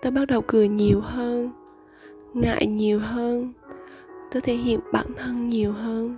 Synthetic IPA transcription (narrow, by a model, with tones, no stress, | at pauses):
t̪aː˧ɓa˦˥t̚ɗə˨˩wkɨ˨˩əɲi˨˩əwɦəː˧n | ŋa̰ː˧˨jɲi˨˩əwɦəː˧n | t̪o˧˦t̪ʰe˧˩˦ɦḭ˧˨əmɓa̰ː˧˩nt̪ʰə˧nɲi˨˩əwɦəː˧n